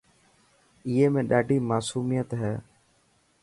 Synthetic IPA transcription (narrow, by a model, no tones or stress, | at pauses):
ɪːeːmẽːɗaːɖʱiːmaːsuːmijət̪ɦɛː